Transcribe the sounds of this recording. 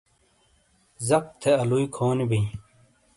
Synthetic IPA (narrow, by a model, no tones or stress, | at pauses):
zɐq̚t̪ʰeɐlujkʰoːnibiː